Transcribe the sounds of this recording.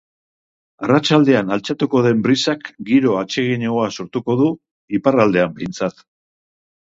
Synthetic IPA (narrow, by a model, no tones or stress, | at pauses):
arat͡ʃald̪e̞analt͡sat̪uko̞ð̞e̞mbɾisakɡiɾo̞at͡ʃe̞ɣiɲeoaso̞ɾt̪uko̞ðu | iparald̪e̞ambe̞jnt͡sat̪